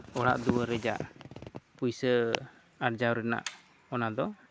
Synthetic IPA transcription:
ɔɽa̰ʔd̪uwəɾɛd͡ʒa̰ʔ | pujsə | aɾd͡ʒawɾɛna̰ʔ | ɔnad̪ɔ

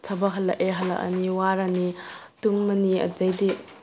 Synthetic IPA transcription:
tʰɐbɐɦɐlːɐʔeɦɐlɐ̰ʔɐ̰niwaɾani | tumːɐniɐ̰d͡ʒɐjdi

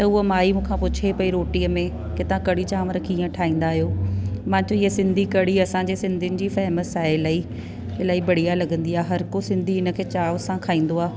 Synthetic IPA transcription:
t̪ɐʊɦomaːimũːkʰãpʊt͡ɕʰepɐiɾoːʈiːəmẽ | kɪt̪ɐʋãkɐɽit͡ɕaːʋəɾkĩːə̃ʈʰaːĩːn̆d̪aːɦijoːmãːt͡ɕoiɦəsɪ̃nd̪ʱikɐɽiɐsãɲd͡ʑeːsɪ̃nd̪ʱiʊnɪ̆d͡ʑiːfɛːməsaːɦeɪlaːi | ɪlaːibɐɽ̤ijalɐɠə̃nd̪iaːɦeɦɐɾkosɪ̃nd̪ʱiɪnə̆kʰeːt͡ɕaːʋsãkʰaːĩːn̆d̪oaː

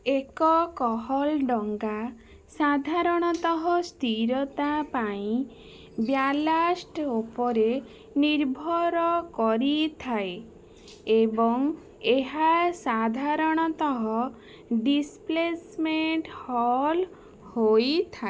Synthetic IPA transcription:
ekɔkɔɦɔlɖɔŋɡa | sad̪ʱaɾɔɽ̃ɔt̪ɔɦɔst̪iɾɔt̪apaĩ | bjalasʈopɔɾe | niɾbʱɔɾɔkɔɾit̪ʰae | ebɔŋ | eɦasad̪ʱaɾɔɽ̃ɔt̪ɔɦɔ | ɖisplesmeɳʈhɔl | hojt̪ʰa

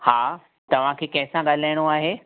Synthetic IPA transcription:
haː | t̪ɐʋ̤ãkʰeːkɐ̃ɦɪ̃sãɠaːl̤aːɪɽ̃oaːɦeː

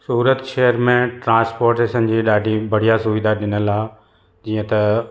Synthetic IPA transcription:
suːɾət̪ʃeɦəɾmẽʈɾãːspoːɾʈeʃənd͡ʑiːɗaːɖʱibɐɽ̤ijasʊʋɪd̪aɗɪnəlaː | d͡ʑiːə̃t̪ɐ

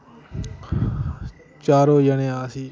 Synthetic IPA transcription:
t͡ʃaːɾoːjənẽːaːsiː

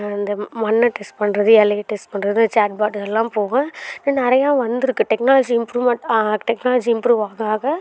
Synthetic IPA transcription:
ɪnd̪ɐmɐnːɐʈɛsʈ̚pɐɳːɾɐðɯɛleːʈːɛsʈpɐɳːɾɐðɯnd̪ɐt͡ʃaːʈ̚baːʈɣɛlːãːpoːɣɐ̃nnɪɾɐjãːʋɐnd̪ɯɾɯkːɯʈɛknaːlɐd͡ʒiɪmpɾuːʋmɛʈːʈɛknaːlɐd͡ʒiɪmpɾuːʋaːɣaːɣɐ

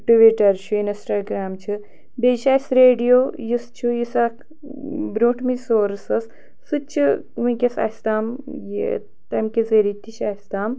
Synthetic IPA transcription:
ʈuʋiʈɐɾʃʰuinisʈaːɡɾaːmt͡ʃʰɨ | beːʃaːsɾeːɖijoːjɨst͡ʃʰujisɐk | bɾuːʈmisoːɾsɐs | sɨt͡ʃʰɨ | ʋĩkʲesa̰ːst̪aːmjḭ | t̪ɐmkʲezeɾit̪ʲːit͡ʃʰaːst̪aːm

